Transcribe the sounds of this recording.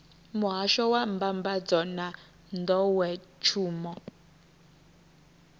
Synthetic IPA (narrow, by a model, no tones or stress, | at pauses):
muɦaʃɔwambambad͡zɔna | ndɔwɛt͡ʃʰuːmɔ